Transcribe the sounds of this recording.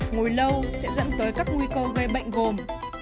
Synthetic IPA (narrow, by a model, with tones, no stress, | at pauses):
ŋu˨˩jlə˧wsɛ̰˧˥zə̰˧˥nzəː˨˦jkaː˦˥k̚ŋwi˧kəː˧ɣe˧ɓə̰˧˨jŋ̟ɣo˨˩m